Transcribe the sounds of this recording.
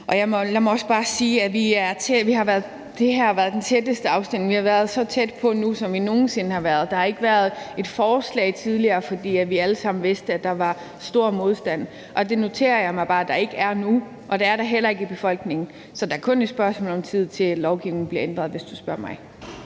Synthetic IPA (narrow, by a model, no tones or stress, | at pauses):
ʔɒ̽jɑ̈ɪmɒ̽læɪmɒ̽ɒ̽sb̥ɑ̈ːsiːæʋiæɐt͡sʰeʋiɦɑ̈ʋæɐðˠ | d̥e̝ɦæɐʋæɐð̞ˠd̥ent͡sʰed̥əsd̥əɑ̈ʊsd̥em̰lŋʋihɑ̈ʋæɐð̞ˠsɒ̽t͡sʰed̥pʰɒ̽nusɒ̽mʋino̝ːn̩se̝nəhɑ̈ʋæɐð̞ˠd̥ɑhɑ̈e̝ɡ̥əʋæɐð̞ˠe̝d̥fɒːslɛ̰ɪt͡sʰið̞ˠliɐːfɒ̽d̥ḭːæʋiæləsɑ̈m̰n̩ʋe̝sd̥əæd̥ɑ̈ʋɑ̈ | sd̥o̝ɐ̰mo̝ð̞ˠsd̥æn̰ | ʔɒ̽d̥e̝no̝t͡sʰe̝̰ːɐjɑ̈ɪmɑ̈ɪb̥ɑ̈ːd̥ɑ̈e̝ɡ̥əæɐnu | ʔɒ̽d̥eæɐɾ̥ɑ̈ɦel̰ɐe̝ɡ̥ib̥e̝fɒ̽l̰ɡ̥ne̝ŋn̩ | sɒ̽d̥ɑ̈æɐkʰɔ̽ne̝d̥sb̥ɶɐsmɔ̰ːlɒ̽mt͡sʰið̞̰ˠt͡sʰe̝llɒʊɡ̥iʊneŋn̩b̥le̝ɐend̥ʁɐð̞̩ˠʋe̝sd̥usb̥ɶɐ̰mɑ̈ɪ